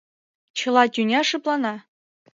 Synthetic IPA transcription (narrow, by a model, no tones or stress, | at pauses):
t͡ɕɤ̆lˠɑt̪ʲynʲeʂɯplˠɑnɑ